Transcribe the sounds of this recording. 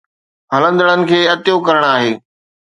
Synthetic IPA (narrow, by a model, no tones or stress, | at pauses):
ɦɐlə̃nd̪əɽ̃ənɪ̆kʰeːɐt̪ɪjokɐɾəɽ̃aːɦeː